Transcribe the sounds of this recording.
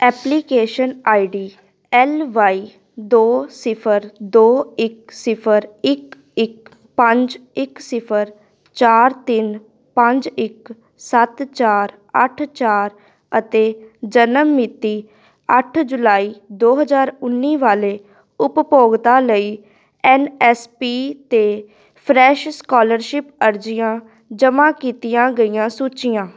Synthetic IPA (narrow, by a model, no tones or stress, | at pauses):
ɛːpliːkeːʃənaːiɖiː | ɛlʋaːiː | d̪oːsɪpʰəɾd̪oːɪksɪpʰəɾɪk | ɪk̚ | pə̃ɲd͡ʒɪksɪpʰəɾ | t͡ʃaːɾt̪ɪn | pə̃ɲd͡ʒɪk | sət̪t͡ʃaːɾ | əʈʰt͡ʃaːɾ | ət̪eːd͡ʒənəmːɪt̪iː | əʈʰd͡ʒʊlaːiːd̪oːɦəzaːɾʊnːiːʋaːleː | ʊppoːɡt̪aːləiː | ɛːnɛːspiːt̪eː | pʰɾɛːʃskɔːləɾʃɪpəɾd͡ʒɪjãː | d͡ʒəmãːkiːt̪ijãːɡəijãːsuːt͡ʃɪjãː